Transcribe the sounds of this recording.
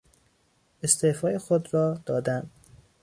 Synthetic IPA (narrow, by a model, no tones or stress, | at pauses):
est̪ʰeːfɒːjexod̪ɾɒːd̪̥ɒːd̪æn